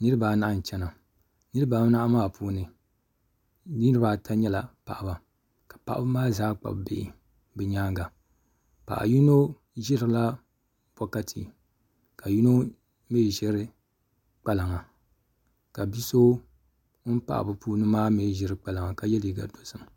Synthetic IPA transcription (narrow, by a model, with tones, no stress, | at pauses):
nɨ˦ɾɨ˦ba˨na˦˨ʔa˦˨n̩˨t͡ʃɛ˦na˨ | nɨ˦ɾɨ˦ba˨˦na˦a˦maː˦˨pʰuː˦nɨ˨˦ | ɨ˦ɾɨ˦ba˨tʰa˦ɲɛ˦la˨pa̰˨ʔba˨ | kḁ˨pa˨ʔa˦bɨ˦maː˦zaː˦k͡pa̰˨bbḛ˨ʔɪ̰˨ | bɨ˨ɲaː˦ŋɡa˨ | pa̰˨ʔa̰˨ju˦no˦ | ʒɪ˦ɾɨ˨˦la˦ | b̥ɔ˦ka˦tʰḭ˨ | ka˨ju˦no˦ | meː˦˨ʒɛ˦ɾɨ˦ | k͡pa˦la˨ŋa˨ | ka˨bi˦so˦ | m̩˦pa̰˦ʔa̰˨bɨ˨puː˦nɨ˦maː˦meː˦˨ʒɪ˨˦ɾɨ˦k͡pa˨la˨ŋa˨ka˨jɛ˦li˨ɡa̰˨do˨sɨ˨m˨